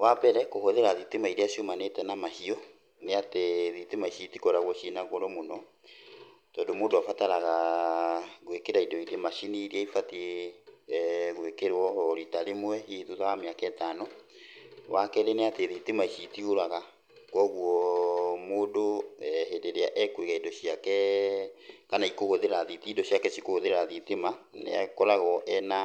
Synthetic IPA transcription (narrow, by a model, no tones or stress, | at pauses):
wabɛɾɛkohoðeɾaðitemaiɾeaʃiomanetɛnamahiɔ | neateðitemaiʃitikɔɾaɣwɔʃinaɣoɾɔmonɔ | tɔndomoːndoafataɾaɣa | ɣwekeɾaidɔiɾemaʃiniɾiɛifatie | ɣwekeɾɔhɔɾitaɾemwɛhiðuðawamejakɛtanɔ | wakɛɾeneateðitemaiʃitioɾaɣa | kwɔɣwɔmoːndoɦedeɾeaʔɛkweɣaidɔɕiakɛ | kanaikoɣoðeɾaðitidɔɕiakɛɕikoɣoðeɾɾaðitemanḛa̰kɔɾaɣɔʔɛna